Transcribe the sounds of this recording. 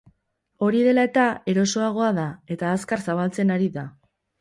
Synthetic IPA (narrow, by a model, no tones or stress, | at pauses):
o̞ɾiðe̞lae̞t̪ae̞ɾo̞so̞aɣ̞o̞aðae̞t̪aːskaɾsaβalt͡se̞naɾiða